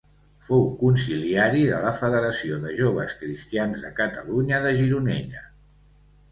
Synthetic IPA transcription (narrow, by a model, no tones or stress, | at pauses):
fowkunsiliaɾiðələfəðəɾəsioðəʒoβəskɾist̪ianzðəkət̪əluɲəðəʒiɾunɛ̰ʎə